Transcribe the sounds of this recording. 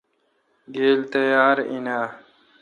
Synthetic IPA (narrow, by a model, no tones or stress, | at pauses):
ɡeːlt̪əjaːɾḭnaː